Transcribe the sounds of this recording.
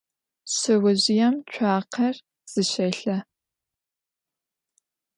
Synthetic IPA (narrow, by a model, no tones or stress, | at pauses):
ɕɐwɐʑɪjɛmt͡ʃʷʰaːqʰɐr | z̥ɨɕɐjɬɐ